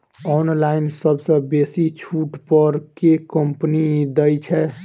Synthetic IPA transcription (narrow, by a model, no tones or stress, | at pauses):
ɔnlainsəbsə̃besit͡ʃʰuʈpəɾkekəmpnid̪əjt͡ʃʰɛ